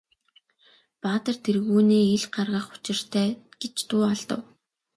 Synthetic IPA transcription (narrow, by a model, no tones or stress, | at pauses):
paːt̪ə̆r̥t̪ʰerɣuːneːiɮɢarʁə̆χʊ̥t͡ɕɪ̆r̥t̪ʰæːɡ̥et͡ɕt̪ʊːaɮt̪ə̰̆w